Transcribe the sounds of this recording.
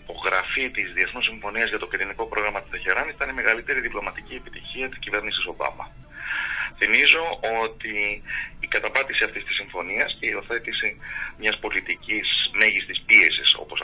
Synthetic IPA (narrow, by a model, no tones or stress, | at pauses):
po̞ɣɾɐfit̪izðie̞θnosiɱfo̞niɐzʝɐt̪o̞kiɾiniko̞pɾo̞ɣɾɐmɐt̪ist̪eçe̞ɾɐnit̪ɐnime̞ɣɐlit̪e̞ɾiðiplo̞mɐt̪iciepit̪içiɐt̪i̥scive̞ɾnisiso̞bɐ̰mɐ̰ | θimizo̞o̞t̪iː | kɐt̪ɐpɐt̪isiɐft̪ist̪i̥siɱfo̞niɐsceo̞θe̞t̪isimɲɐspo̞lit̪icisme̞ʝist̪ispie̞siso̞̰po̞s